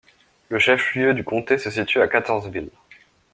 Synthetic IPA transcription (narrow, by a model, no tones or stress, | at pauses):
ləʃɛfljød̪ykɔ̃t̪esəsit̪yakat̪ɔʁzvil